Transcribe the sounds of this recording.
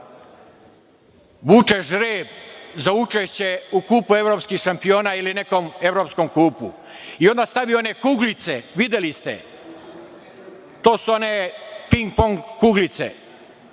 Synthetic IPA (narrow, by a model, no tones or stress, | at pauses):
ʋut͡ʃeʒɾeːbzaut͡ʃeʃt͡ɕe̞ukuːpue̞ʋɾoːpskixʃampio̞ːnailine̞ko̞me̞ʋɾopsko̞mkuːpṵ | io̞nd̪ast̪aʋijoone̞kuɡlit̪seʋid̪elist̪ḛ | t̪o̞ːsuo̞ne̞piŋɡpoŋɡːuɡlit̪sḛ